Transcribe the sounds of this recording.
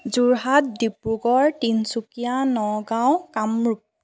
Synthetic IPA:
zuɹɦat̚dipɹuɡɔɹtinsukijanɔɡaw̃kamɹup̚

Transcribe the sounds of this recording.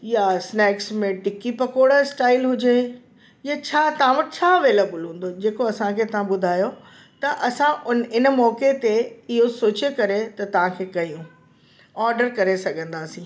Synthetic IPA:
jasnɛːksmẽʈɪkipɐkoːɽsʈaːɪlɦʊd͡ʑe | jat͡ɕʰaːt̪ɐʋãʋɐʈɪt͡ɕʰaːɐʋeːlebəlɦũːn̆d̪od͡ʑeːkoɐsãkʰeːt̪ɐʋ̤ãɓʊd̪ʱaːjo | t̪ɐʔɐsãʊnɪnmɔːket̪eɪɦosoːt͡ɕekɐɾet̪ɐt̪ɐʋ̤ãkʰeːkɐjũ | ɔːɾɖəɾkɐɾesɐɡʱə̃nd̪aːsĩː

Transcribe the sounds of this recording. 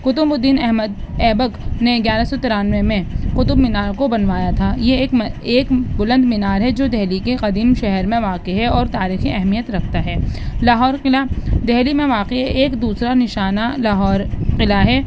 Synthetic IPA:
kʊt̪ʊmbʊd̪iːnɛɦməd̪ɛːbəkneɡjaːɾasɔt̪ɪɾaːnʋemẽqʊt̪ʊbmɪnaːɾkobɐnʋaːjat̪ʰaːjekeːkbʊlə̃nd̪mɪnaːɾɦɛd͡ʒoːd̪ɛɦlikeqɐd̪iːmʃɛɦɛɾmẽʋaːqeɦɛɔːɾt̪aːɾiːxiʔɛɦmijət̪ɾɐkʰt̪aɦɛːlaːɦɔːɾlad̪ɛɦlimẽʋaːqeɦɛʔeːkd̪uːsɾanɪʃaːnalaːɦɔːɾqɪlaɦɛː

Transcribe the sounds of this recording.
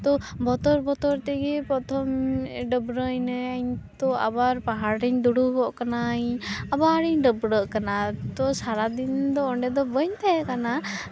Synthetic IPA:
t̪ɔbɔt̪ɔɾbɔt̪ɔɾt̪ɛɡɛpɾɔt̪ʰɔmɖəbɾəjnəjaɲt̪ɔa̰baɾpaɦaɽiɲd̪uɽuɦɔʔkanaɲabaɾiɲɖəbɾəʔkanat̪ɔsaɾad̪ind̪ɔɔɳɖɛd̪ɔbəɲt̪ʰɛɛʔkana

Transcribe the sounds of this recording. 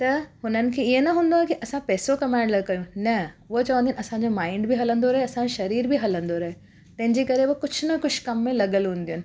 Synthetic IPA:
t̪ɐɦʊnənɪ̆kʰeɪɦenɐɦũːnd̪oakiʔɐsãpɛːsokɐmaːɳɖlɐɡkɐjũnɐʋot͡ɕɐʋə̃nd̪ĩnɐsãɲd͡ʑomaːɪɳɖbʱiɦɐlə̃nd̪oɾɐɦeɐsãoʃɐɾiːɾbʱiɦɐlə̃nd̪oɾɐɦe | t̪ɐ̃ɦɪ̃ɲd͡ʑekɐɾeʋokʊt͡ɕʰnɐkʊʃʰkɐmːẽlɐɡəlɦũːnd̪ijʊnɪ̆

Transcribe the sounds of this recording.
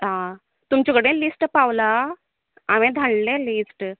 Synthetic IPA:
ɦã | t̪umt͡ɕɔkəɽẽlisʈpaʋla | aʋɛ̃d̪ʱaɭlɛlisʈ

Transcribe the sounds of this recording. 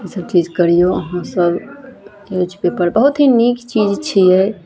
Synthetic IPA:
isəb̚t͡ʃid͡ʒkəɾijoəɦãsəb | od͡ʒpepəɾbəɦut̪ɦinikt͡ʃid͡ʒt͡ʃʰiɛ

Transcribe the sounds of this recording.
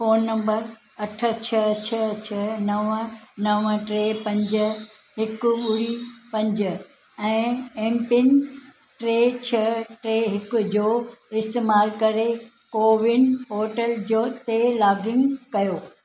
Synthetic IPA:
foːnːɐ̃mbəɾ | ɐʈʰə̆t͡ɕʰɐt͡ɕʰɐt͡ɕʰɐnɐʋnɐʋʈɾeːpɐ̃ɲd͡ʑ̆ | ɦɪkʊʊɾipɐ̃ɲd͡ʑ̆ | ɛ̃ːeːmpɪn | ʈɾeːt͡ɕʰɐʈɾeːɦɪkʊ̆d͡ʑoːɪst̪eːmaːlkɐɾe | koːʋɪnɦoːʈəld͡ʑoːt̪elaːɡɪ̃ŋɡkɐjoː

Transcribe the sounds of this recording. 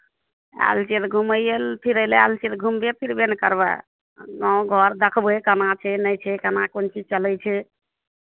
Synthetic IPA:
a̰lt͡ʃet̪ɡʱuməjelpʰiɾəlea̰lt͡ʃit̪ɡʱumbepʰiɾbenkəɾbɛ̰ | nɔɡʱɔɾd̪əkʰbekənat͡ʃʰɛnəjt͡ʃʰɛkənakont͡ʃid͡ʒt͡ʃəlɛjt͡ʃʰɛ

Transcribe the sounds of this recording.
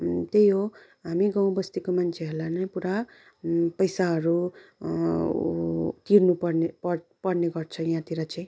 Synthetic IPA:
t̪ejɦo | ɦamiɡaw̃bʌst̪ikomant͡sʰeɦolanʌpuɾa | pʌjsaɦʌɾu | t̪iɾnupʌrnepʌpʌrneɡʌrt͡sʰʌjãt̪iɾat͡saj̃

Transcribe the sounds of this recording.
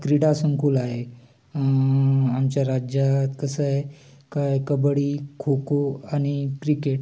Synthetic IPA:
kɾiɽasəŋkulaɦe | amt͡ɕjaɾad͡ʑat̪kəsəɦe | kajkəbəɽikʰokoaɽ̃ikɾikeʈ

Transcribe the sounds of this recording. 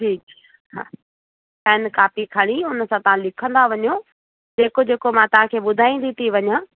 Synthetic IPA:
ʈʰiːk | ɦa̰ː | pɛːnkaːpikʰɐɽ̃iʊnəsãt̪ɐɦãlɪkʰə̃nd̪aʋɐɲo | d͡ʑeːkod͡ʑeːkomãt̪ɐɦãkʰeːɓʊd̪ʱaːĩːn̆d̪it̪ʰiʋɐɲãː

